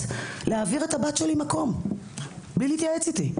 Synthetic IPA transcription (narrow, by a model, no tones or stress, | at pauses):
leaːviʁet̪abat̪ʃelimako̞m | bilit̪jaet͡sit̪i